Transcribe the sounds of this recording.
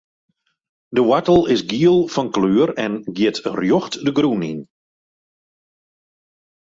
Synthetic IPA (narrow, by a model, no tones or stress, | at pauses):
dəwatəlˠɪsɡiəlˠfɔnkløːəɾɛnɡjɪtrjɔxtdəɡɾunḭn